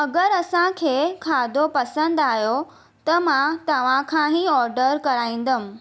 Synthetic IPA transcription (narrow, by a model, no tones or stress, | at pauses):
ɐɡəɾɐsãkʰeːkʰaːd̪ʱopɐsə̃nd̪aːjo | t̪ɐmãt̪ɐʋ̤ãkʰãɦiɔːɾɖəɾkɐɾaːĩːn̆d̪əmʊ̃̆